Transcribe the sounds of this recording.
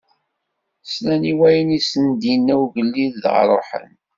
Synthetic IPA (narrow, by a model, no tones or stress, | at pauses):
slæniwæjənisənd̪inːæwʝəlːiððʁɾˤo̰ħə̰n